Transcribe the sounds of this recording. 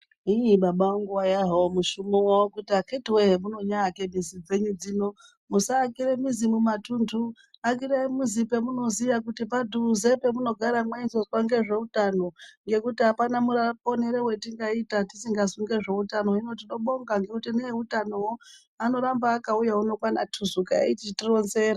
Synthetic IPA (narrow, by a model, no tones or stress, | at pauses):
iɓaɓawoŋɡuwajaɦaomuʃumowawokutiakʰetiweɦemuno̞ɲaːkemizid͡ze̞ɲud͡zino̞ | musaːkiɾemizimumatuntʰu | ak̬iɾeimuzipe̞muno̞zijakutipadʱuze̞pe̞muno̞ɡʱaɾamwainsoswaŋɡe̞ʐe̞utano̞ŋɡe̞kutiɦapanamurapo̞neɾewe̞tiŋɡaitatisiŋɡasuŋɡe̞ʐe̞utano̞ino̞tiɗo̞ɓo̞ŋɡaŋɡe̞kutineutanowo | ano̞ɾambaːkaujauno̞kwana̰tʰuzuka̰itiitiro̞nzera